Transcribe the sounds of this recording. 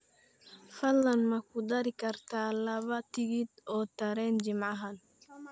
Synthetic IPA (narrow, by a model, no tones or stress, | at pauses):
fɐlːɐnmɐkʰʊd̪ɐɾɪkʰɐrt̪ʰaːlɐβɐt̪ʰɪɣid̪ɔːt̪ʰɐɾɛːnt͡ʃɪmʕɑɦɐn